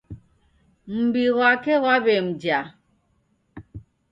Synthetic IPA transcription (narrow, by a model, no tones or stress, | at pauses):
m̩biɣwakɛɣwabem̩d͡ʒa